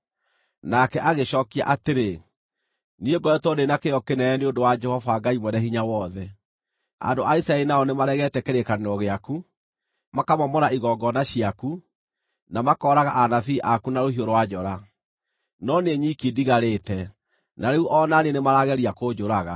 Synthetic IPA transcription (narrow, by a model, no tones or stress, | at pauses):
nakɛʔaɣeɕɔkia̰ʔateɾe | nieɡɔɛtwɔdenakejɔkenɛɛneondowad͡ʒɛhɔfaɡaimwɛnɛhiɲawɔðɛ | a̰ndoʔaisaɛinaɔnemaɾɛɣɛtɛkeɾekaneɾɔɣeaku | makamɔmɔnaiɣɔɡɔnaɕiaku | namakɔɾaɣaʔanafiːʔakunaɾohioɾowad͡ʒɔɾa | nɔneɲikidiɣaɾeːtɛ | naɾeuʔɔnanenemaɾaɣɛɾiakod͡ʒoɾaɣa